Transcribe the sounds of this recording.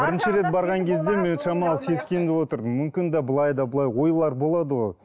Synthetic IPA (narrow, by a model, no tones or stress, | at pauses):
b̥ɪɾɪnʃɪɾe̞t̪̚bɑɾʁɑŋkʲʰe̞zd̪e̞me̞nʃɑmɑlˠse̞skʲe̞nd̪ɪwo̞t̪əɾd̪əmːʏmkʲɪnd̪ɑbəlˠɑjd̪ɑbəlˠɑjwo̞jlˠɑɾbo̞lˠɑd̪əʁo̞̰j